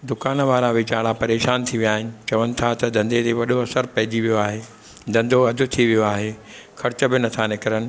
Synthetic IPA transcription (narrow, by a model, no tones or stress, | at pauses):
d̪ʊkaːnʋaːɾaʋɪt͡ɕaːɽapɐɾeːʃaːnt̪ʰiʋijaːɦɪnɪ̆t͡ɕɐʋənɪ̆t̪ʰat̪ɐd̪ɐ̃nd̪et̪eʋɐɗoɐsəɾpɐɦɪ̃ɲd͡ʑiʋijoaːɦeː | d̪ɐ̃nd̪ʱoɐd̪ʱʊ̆t̪ʰiʋijoaːɦeː | xʰɐɾɪt͡ɕə̆bɪnɐt̪ʰanɪkəɾənɪ̆